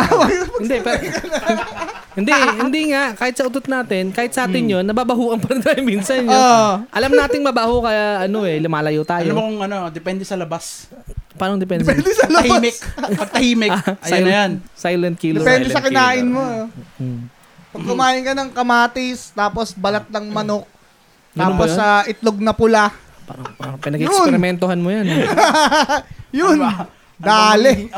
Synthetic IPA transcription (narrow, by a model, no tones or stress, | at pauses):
wɐjpɐɪnd̪ɛpɛkɐn | hɪnd̪ɛʔhɪnd̪iŋaʔkaːhɪt̪sɐʔʊt̪ot̪̚naːt̪ɪnkaːhɪt̪̚sɐʔaːt̪ɪnjonːɐbaːbɐhuːʔɐnpɐɾɐnt̪aːjomiːnsɐnjoʔɐlɐmnaːt̪ɪŋmɐbahokɐjaʔɐno̞ɛlʊmaːlɐjot̪aːjomokoŋɐnod̪ɛpɛnd̪ɛsɐlɐbas | paːɾɐŋd̪ɛpɛnɛd̪ɛslɐhmɛk̚pɐɡ̚t̪ɐhiːmɛʔɐjajlɐjansajlɐnt̪̚kiːlpɛːnd̪ɛsɐkɪnaːʔɪnmo | pɐɡ̚kʊmaːjɪnkɐnɐŋkɐmaːt̪ɪst̪aːposbɐlat̪̚lɐŋmɐnok̪̚ | aːpposɐʔɪt̪loɡ̚nɐpʊla | paɾɐaɾɐŋpɪnɐɡiʊsɾɛmɛnt̪ohanmojan | jʊn | d̪aːlɛ